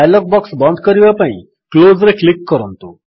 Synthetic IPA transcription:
ɛlɔk̚bɔksbə̃nd̪̚ʱkəɾjuepãĩ | klozɾeklɪkːəɾənt̪ũ

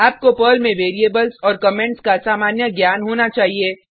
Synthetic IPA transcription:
aːp̚kopəːlmẽʋeːɾieːbəlzɔːɾkəmẽɳʈskasaːmaːnjəɡjaːnɦoːnat͡ʃaːɦieː

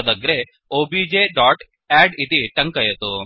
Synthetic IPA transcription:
d̪ɐɡɾe | obid͡ʒeɖɔʈ | ɛɖit̪iʈɐŋkɐjet̪u

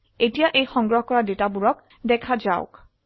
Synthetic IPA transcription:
etijaʔejxɔŋɡɹɔɦɔkɔɹadetabuɹɔk̚ | dɛkʰazaʊ̰k

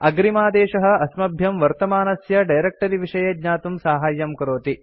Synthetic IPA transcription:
ɐɡɾimaːd̪eːʃɐɦɐ̆ɐsmɐbʱjɐmʋɐɾt̪ɐmaːnɐsjɐɖɐjɾek̚ʈɐɾiʋiʂɐjɐd̪ɲaːt̪umsaːɦaːjːɐmkɾoːt̪i

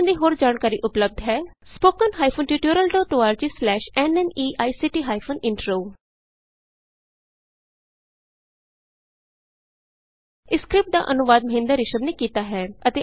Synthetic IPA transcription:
nd̪iːɦoːɾd͡ʒaːɳkaːɾiːʔʊpləb̚d̪ɦɛːspoːkənɦaːipʰonʈiːʈuːɾəlɖɔːʈoːaːɾd͡ʒiːslɛːʃɛːnɛːniːʔaːisɪʈiːɦaːipʰoːnɪɳʈɾoː | ɪskɾɪp̚ʈ̚d̪a̰ːʔənʊʋaːd̪məɦɪ̃nd̪əɾɪʃəmneːkiːt̪aːɦɛːət̪eː

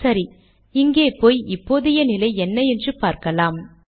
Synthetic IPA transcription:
sɐɾi | ɪŋɡeːpːoːjɪpːoːðɪjɐnɪlɐɪɛnːɐɛndrɯpaːɾkɐlaːm

